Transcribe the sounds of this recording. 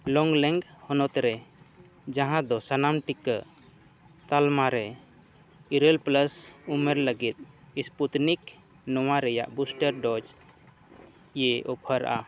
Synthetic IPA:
lɔŋɡlɛŋɡhɔnɔt̪ɾɛ | d͡ʒaɦãd̪ɔsanamʈikə | t̪almaɾɛ | iɾəlpləsumeɾləɡit̪̚isput̪nik | nɔwaɾɛja̰ʔbusʈəɾɖɔd͡ʒ | ijeʔɔpʰəɾa̰ʔa

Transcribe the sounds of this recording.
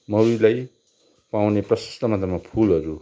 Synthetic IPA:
mʌwilaj | pawneprʌsʌ̥st̪ʌmad̪ʱʌmapʰulɦʌɾu

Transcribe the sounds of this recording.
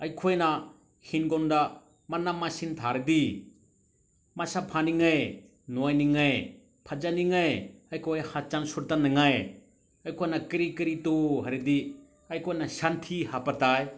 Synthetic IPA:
ɐjkʰojna | hinɡɔnda | manamːasintʰaɾɯdi | masapʰaniŋaj | nojniŋaj | pʰad͡ʒaniŋajɐjkʰojhat͡ʃansuɾtanɯŋaj | ɐjkʰojnakiɾikiɾitoɦaɾɯdi | ɐjkʰojnasantʰihapataj

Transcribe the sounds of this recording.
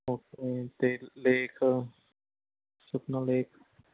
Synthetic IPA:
oːket̪eleːkʰ | suknaleːkʰ

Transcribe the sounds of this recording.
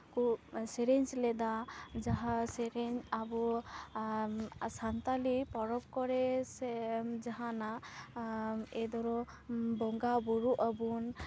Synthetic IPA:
kusɛɾeɲslɛd̪ad͡ʒaɦaseɾɛɲabɔ | sant̪alipɔɾɔp̚kɔɾɛsd͡ʒaɦana | ɛd̪ɔɾɔ | bɔŋɡabɔɹuʔabun

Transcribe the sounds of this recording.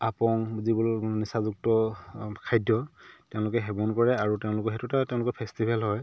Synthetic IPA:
apɔŋzibɔlnisazuk̚tɔkʰajdːɔtɛʊ̃lʊkɛɦɛbɔnkɔɹɛaɹutɛʊ̃lʊkɔɦetutatɛʊ̃lʊkɔpʰɛstibʱɛlɦɔj

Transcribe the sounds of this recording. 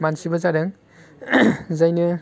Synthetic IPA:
mansibazaɾɯŋ | zajnɯ

